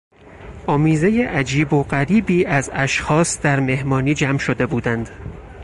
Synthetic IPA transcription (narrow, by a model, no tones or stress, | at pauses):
ʔɒːmiːze̞jeʔæd͡ʒiːbo̞ɢæɾiːbiːʔæzæʃxɒːsd̪̥æɾme̞hmɒːniːd͡ʒæmʃo̞d̪e̞buːd̪ænd̪̥